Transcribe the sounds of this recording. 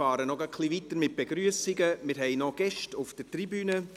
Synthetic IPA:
ɑːɾənɔɡəkʰlivitəɾmɪt̚b̥eɡɾyəsɪɡəmɪɾɦɛɪnɔɡ̥ɛʃtʊfd̥ətribyːnə

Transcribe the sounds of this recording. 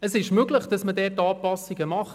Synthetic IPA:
əsɪʃmøɡləχd̥ɑsmədɛːtːɑːpɑsiɡəmɑχ

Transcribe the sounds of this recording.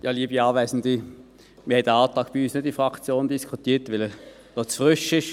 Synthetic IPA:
jɑːliːəbiɑːvæɪsn̩di | mihɛtdəɑːltʁɑːkb̥iyːsnɪd̚ifʁɑkt͡sjoːndiskʰutiːtʋɪlə | dɔsfʁʏʃɪʃ

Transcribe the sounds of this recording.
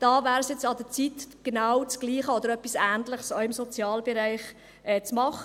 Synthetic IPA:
d̥ɑːvæːɾsjɛt͡sɑd̪ət͡sit̪ɡ̥enawt͡sɡ̥liːχəod̪əɾœpːisæːntləχsoɪmsot͡sjɑːlbɛɾæɪχ | ʔɛːt͡smɑχə

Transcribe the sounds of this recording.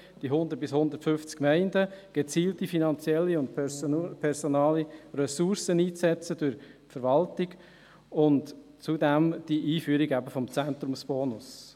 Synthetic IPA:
d̥iɦʊndəɾt̚b̥ɪshʊnd̪ərtfʏft͡skmɛɪndəɡ̥et͡siːltifinɑnt͡sjɛlːiʊntpʰɛɾsonɑːliɾɛsuɾsəniːt͡sɛt͡sədʊɾfəɾʋɑltɪɡ | ʊntt͡sudɛmd̥iʔiːfyːəɾiɡæbəfɔmt͡sɛnt̪ɾʊmsb̥ɔːnʊs

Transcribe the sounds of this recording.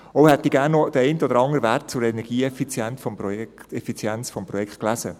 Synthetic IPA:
ɔʊhɛt̚diɡæːɾnːod̥əɛɪntəɔd̪əɾɑŋəɾəvært̚t͡sʊɾɛnɛɾɡ̥iːɛfit͡sjɛntfɔmpɾɔjɛtɛfit͡sjɛnt͡sfɔmpɾɔjɛkχt̪klæsə

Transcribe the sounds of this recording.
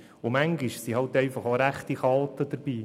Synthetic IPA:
ʊmæŋɡɪʃsihɑltɛɪfɑχoɾæχtiχɑːt̪əd̥əɾb̥iː

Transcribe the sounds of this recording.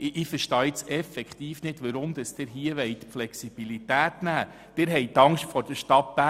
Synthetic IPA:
ʔɪfəɾʃtɑːɪt͡sɛfɛkt̪iːfnɪdʋəɾʊmd̥̪əsd̥ɪɾɦiəʋɛjt̪flɛksib̥ilit̪æːt̪næː | d̥ɪɾɦɛjt̪ːɑŋʃtfɔɾd̥əɾʃtɑpbæ

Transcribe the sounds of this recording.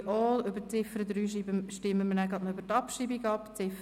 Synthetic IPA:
ʔɔːlʏbət͡sɪfəɾəd̪ɾyːʃibəʃtɪmːəmənæɡɑt̪nɔøbəɾtɑpʃibiɡɑpt͡sɪf

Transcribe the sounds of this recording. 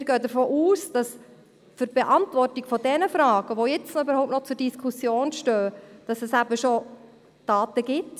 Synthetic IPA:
mɪɾɡ̥œːdəɾfoːʔuːsd̥ɑs | fʏɾb̥eʔɑntvɔrtiɡ̥fɔdɛnəfɾɑːɡ̥əʋojɛt͡snybəɾhaʊp̚nɔt͡sʊɾd̥iskʰusjoːnʃtøːd̥ɑsɛsæbəʃo | d̥ɑːtəɡɪt

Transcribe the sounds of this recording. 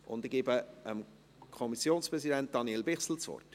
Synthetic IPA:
ʔʊ̰nd̪ɪɡ̥eːbəəm | kʰɔmisjoːnspʁɛzidænt̚d̥ɑnielbɪχsl̩t͡sʋɔ̰rt

